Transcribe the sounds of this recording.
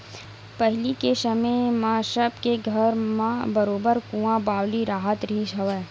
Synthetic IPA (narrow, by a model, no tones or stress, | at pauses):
pɛɦlikeʃəmẽmãːʃəbkeɡʱɐɾmãbɐɾoːbəɾkũːãbaːwliɾaːɦət̪ɾiːʃɐʋɛː